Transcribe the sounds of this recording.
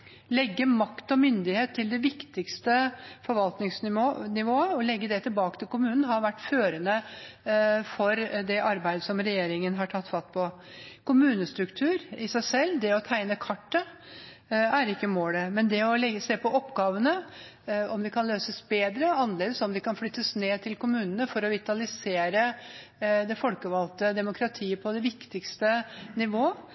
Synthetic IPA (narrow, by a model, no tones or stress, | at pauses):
lɛɡːəmɑkt̪ɔmʏnd̪ɪheːt̪ʰːɪld̪ɛʋɪkt̪ɪkst̪əfɔɾʋɑlt̪nɪŋsnɪonɪʋoːəɔlɛɡːəd̪ɛt̪ʰɪlbɑːkə̥t̪ʰɪlkʊmʉːnn̩ɦɑɾʋæʈːføːɾənə | fɔɾd̪ɛʔɑɾbæɪd̪əsɔmɾɛjeːɾɪŋənɦɑʈʰɑt̪ːfɑt̪ːpʰɔ | kʰʊmʉːnəst̪ɾʉkt̪ʰʉːɾɪsæɪsɛlːd̪ɛɔt̪ʰæɪnəkʰɑʈːə | æɾɪkːəmoːləmɛnd̪ɛɔlɛseːpʰɔʔɔpːɡɑːʋənə | ɔmd̪ɛkʰɑnløːsəsbeːd̪ɾəɑnːəleːd̪əsɔmd̪ɛkɑnflʏt̪ːəsneːt̪ʰɪlkʊmʉːnənəfɔɾɔʋɪt̪ɑlɪseːɾə | d̪ɛfɔlkəʋɑlt̪əd̪ɛmʊkʰɾɑt̪ʰiːəpʰɔd̪ɛʋɪkt̪ɪkst̪ənɪʋoːə